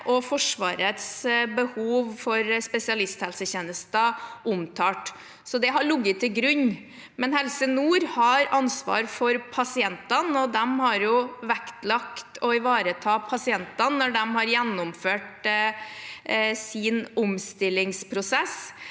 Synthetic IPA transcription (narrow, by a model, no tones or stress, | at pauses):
ʔɔfɔʂʋɑ̰ːɾət̪sbəhuːʋfɔɾspɛsɪɑlɪst̪hɛlsəçeːnəst̪ɑʔʊmt̪ʰɑːʈ | sɔd̪ɛɦɑɭʊɡːət̪ʰːɪlɡɾʉɲː | mɛnhɛlsənuːɾhɑɾɑnsʋɑ̰ːɾfɔɾpʰɑsɪɛnt̪ɑnɔd̪ɛmhɑɾjʊʋɛkt̪lɑkt̪ʰɔɪʋɑːɾət̪ʰɑːpʰɑsɪɛnt̪ɑnːɔɖɛmhɑɾjɛnːʊmføːʈ | sɪnʊmst̪ɪlːɪŋspʰɾʊsɛs